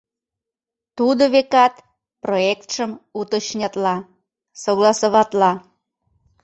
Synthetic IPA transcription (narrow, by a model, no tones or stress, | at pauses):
t̪ud̪oβekɑt̪ | proekt̪ʃəmut̪əɕnʲɑt̪lɑ | soɣlɑsoβɑt̪lɑ